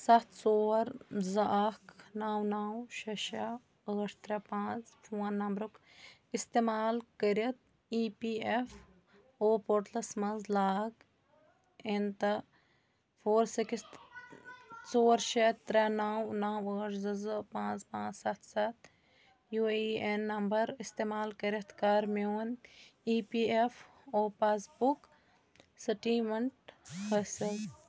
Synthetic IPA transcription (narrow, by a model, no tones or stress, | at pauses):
sɐt̪ʰsoːɾzɐʔɐknaːwnaːwʃɐʃɐ | ɐːʂt̪ɾɛpãːt͡sfʰuːnːɐmbɾuk | ist̪eːmaːlkəɾiɐt̪̚ | iːpiːef | oːpoɾʈ̪lɐsmɐnzlaːɡ | ent̪ɐ | pʰoːɾsikist̪ | t͡soːɾʃet̪ːɾɛnawnaːwəːɾzɐzəpãːt͡spãːt͡ssɐt̪ʰsɐt̪ | juːienːɐmbɐɾɪst̪eːmaːlkɐɾɐt̪kaːɾmeoːniːpiːef | oːpaːsbuk | sɐʈiːmɐɳʈhəsɐz